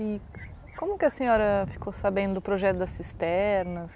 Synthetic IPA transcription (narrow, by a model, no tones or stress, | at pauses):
i | kõmʊkɪɐsẽɲɔɾɐfi̥kosabẽnd̪ʊd̪ʊpɾoʒɛt̪ʊd̪ɐsist̪ɛɾnɐs